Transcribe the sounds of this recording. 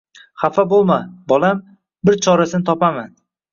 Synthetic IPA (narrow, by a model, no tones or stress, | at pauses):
χafabolˠmabɒlˠam | bɪɾt͡ʃʰɒɾasɪnɪt̪ʰɒpaman